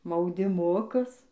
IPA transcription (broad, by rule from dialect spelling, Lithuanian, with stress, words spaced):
mɐʊdʲɪˈmʊkʊs